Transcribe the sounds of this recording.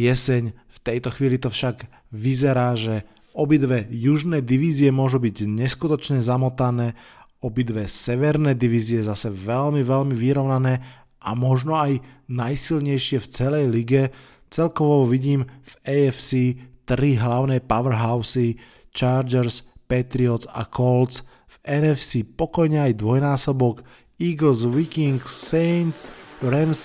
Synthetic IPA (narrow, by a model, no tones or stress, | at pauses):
jɛsɛɲft̪ɛjt̪ɔxʋiːlit̪ɔfʃaɡ | ʋizɛɾaːʒɛ | ɔbid̪ʋɛjuʒnɛːd̪iʋiːziɛmʊɔʒubiɟɲɛskut̪ɔt͡ʃɲɛzamɔt̪anɛː | ɔbid̪ʋɛsɛʋɛɾnɛːd̪iʋiːziɛzasɛʋɛlmiʋɛlmiʋiɾɔʊnanɛː | amɔʒnɔajnajsilɲɛjʃɪɛft͡sɛlɛjliɡɛ | t͡sɛlkɔʋɔʋiɟiːmvɛɛfsiːt̪ɾiɦlaʊnɛːpaʋɛɾɦaʊsi | t͡ʃaːɾd͡ʒɛɾspɛt̪ɾiɔt͡sa̰kɔlt͡s | vɛnɛfsiːpɔkɔjɲɛajd̪ʋɔjnaːsɔbɔk | iːɡlzʋikiŋksɛnt͡sɾɛms